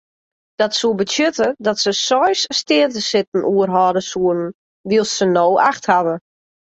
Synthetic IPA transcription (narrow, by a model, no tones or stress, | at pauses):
d̥ɔtsuəbətjøtədɔtsəsɔjsstɪətəsɪtn̩ʔuərɦɔːdəsuənn̩ | ʋiəlˠsːənoːʔaxthaʋə